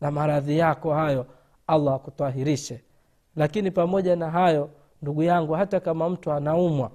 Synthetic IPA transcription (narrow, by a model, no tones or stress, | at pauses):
namaɾaðijakɔhajɔ | alːaakut̪aɦiɾiʃɛ | lakinipamɔʄanaɦajɔ | nduɠujaŋɡuhatakamam̩tuanaumwa